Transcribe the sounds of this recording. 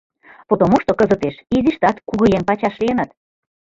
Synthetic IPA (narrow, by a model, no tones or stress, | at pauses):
pot̪omoʃt̪okɤ̆zə̆t̪eʃiziʃt̪ɑt̪kuɣɤ̆jenpɑt͡ɕɑʃlijenɑt̪